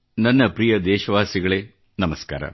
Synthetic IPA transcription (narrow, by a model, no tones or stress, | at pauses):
nɐnːɐpɾijɐd̪eːʃɐʋaːsiɣɐɭeː | nɐmɐska̰ːɾɐ̰m